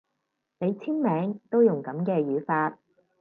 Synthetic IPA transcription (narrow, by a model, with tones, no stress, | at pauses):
ne˨˧jt͡sʰiː˥nmɛː˨˥ŋt̪o˥wjʊ˨˩ŋkɐ˨˥mkɛː˧jyː˨˥faː˧t̚